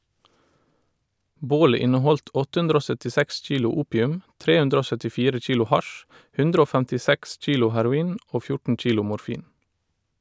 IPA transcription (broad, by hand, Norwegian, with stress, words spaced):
ˈboːlə ˈɪnəˌhɔlt ˈɔt ˈhʉndɾə ˈoː ˌsœtɪˈsɛks ˈc͡çiːlʊ ˈuːpjʉm ˈtɾeː ˈhʉndɾ ˈoː ˌsœtɪˈfiːɾə ˈc͡çiːlʊ ˈhɑʃ ˈhʉndɾ ˈoː ˌfæntɪˈsɛks ˈc͡çiːlʊ hæɾʊˈiːn ˈʔoː ˈfjʊʈɳ̩ ˈc͡çiːlʊ mʊɾˈfiːn